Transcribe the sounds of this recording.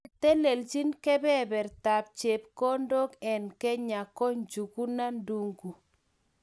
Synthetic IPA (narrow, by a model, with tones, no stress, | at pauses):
tɛ˦lɛ˨lt͡ʃi˦nkɛ˦bɛ˦bɛ˨ɾta˨p̚t͡ʃɛ˨p̚kɔ˦ndo˦kɛ˨nkɛ˦ɲa˨kɔ˦ɲd͡ʒu˨ku˦na˦ndu˦ŋɡu˨